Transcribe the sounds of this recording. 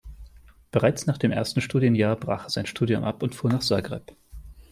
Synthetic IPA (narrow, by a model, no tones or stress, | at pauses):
b̥əʁaɪt͡snaːχd̥eːmʔḛːɐstn̩ʃtuːdjənjaːɐbʁa̰ːχez̥aɪnʃtʰuːdjʊ̰mʔa̰pʊntfuːɐnaːχz̥aːɡʁɛ̰p